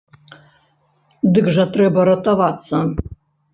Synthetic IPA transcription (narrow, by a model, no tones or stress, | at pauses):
d̪ɨɡʐɐt̪ɾɛbɐɾɐt̪ɐvat̪sɐ